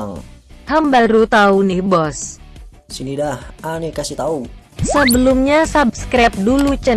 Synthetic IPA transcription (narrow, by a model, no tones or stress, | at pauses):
lhambaɾut̪aunɪhbɔs | sinidahʔanekasit̪au | səbəlʊmɲasab̚skɾap̚dulut͡ʃə